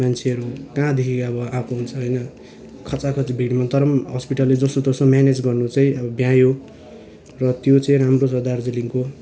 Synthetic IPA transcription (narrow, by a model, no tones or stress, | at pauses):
mant͡sʰeʌɾukãd̪ekʰiʌbʌãpʰoɦunt͡sʰʌɦʌjnʌ | kʰʌt͡sakʰʌt͡sibʱiɽimat̪ʌɾʌmɦʌspiʈʌlːed͡zʌsot̪ʌsomjaned͡zɡʌrnut͡saĩʌbʌbjãjo | rʌt̪jot͡sʌ̃ĩramrosʌd̪ard͡ziliŋko